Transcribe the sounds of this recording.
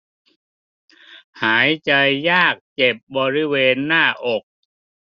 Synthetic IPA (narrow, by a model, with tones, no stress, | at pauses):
haː˩˦jt͡ɕa˧jːaː˥˩k̚t͡ɕe˨˩p̚bɔː˧ɾi˦˥˩weː˧nːaː˥˩ʔo˨˩k̚